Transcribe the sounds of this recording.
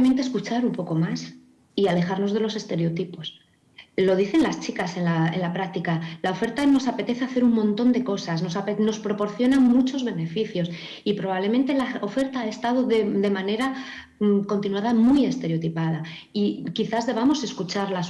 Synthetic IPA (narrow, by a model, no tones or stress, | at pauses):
ment̪eskut͡ʃaɾumpo̞ko̞mas | iale̞xaɾno̞zð̞e̞lo̞se̞st̪e̞ɾeo̞t̪ipo̞s | lo̞ð̞iθe̞nlast͡ʃikase̞nlaḛnlapɾak̚t̪ikalao̞fe̞ɾt̪ano̞sape̞t̪e̞θe̞aθe̞ɾummõ̞nt̪o̞nd̪e̞ko̞sasno̞sapeno̞spɾo̞po̞ɾθjo̞nãnmut͡ʃo̞zβe̞ne̞fiθjo̞s | ipɾoβaβle̞ment̪e̞lao̞fe̞ɾt̪aaest̪aðo̞ðed̪e̞mane̞ɾa | mko̞nt̪inwaðamuje̞st̪e̞ɾeot̪ipað̞a | ikiθazðe̞β̞amo̞se̞skut͡ʃaɾlas